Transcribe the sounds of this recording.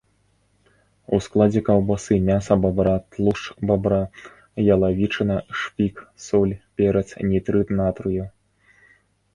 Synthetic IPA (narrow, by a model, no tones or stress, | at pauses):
usklˠad͡zʲɛkɐwbasɨmʲasɐbabɾat̪lˠuʂbabɾa | jɐlˠavʲit͡ʂɨnɐʂpʲiksɔlʲpʲɛɾɐt̪snʲit̪ɾɨt̪nat̪ɾɨju